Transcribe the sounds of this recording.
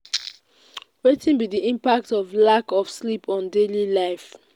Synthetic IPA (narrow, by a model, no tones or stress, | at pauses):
wetĩnbidiʔĩmpak̚tɔvlakɔfslipʰɔ̃ndelilaɪf